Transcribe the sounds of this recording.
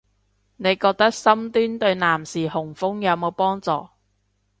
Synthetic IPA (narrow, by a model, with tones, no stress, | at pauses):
ne˨˧jkɔː˧k̚t̪ɐ˥k̚sɐ˥mt̪yː˥nt̪ɵ˧ɥnaː˨˩msiː˨˩hʊ˨˩ŋfʊ˥ŋjɐ˨˧wmo˨˧wpɔː˥ŋt͡sɔ̰ː˨˧